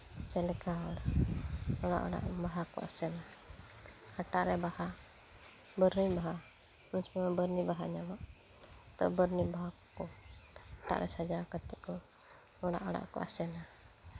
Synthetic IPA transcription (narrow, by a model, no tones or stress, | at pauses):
t͡ʃɛlɛkaɦɔɽ | ɔɽ̃a̰ʔɔ̰ɽa̰ʔbaɦakɔ̰a̰sɛna | haʈaʔɾɛbaha | bəɾnibaɦa | mənt͡ʃmɛbəɾnibaɦaɲamaʔ | t̪ɔ̰bəɾnibaa | kɔaʈa̰ʔɾʔɛsad͡ʒakat̪ɛʔkɔ | ɔɽa̰ʔɔɽa̰ʔkɔ̰a̰sɛna